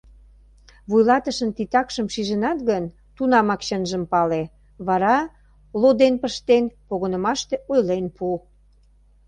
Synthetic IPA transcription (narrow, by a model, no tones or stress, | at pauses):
βujlɑt̪əʃənt̪it̪ɑkʃəmʃiʒənɑt̪ɣən | t̪unɑmɑkɕənʒəmpɑle | βɑɾɑ | lod̪enpəʃt̪enpoɣonə̆mɑʃt̪eʔojlenpu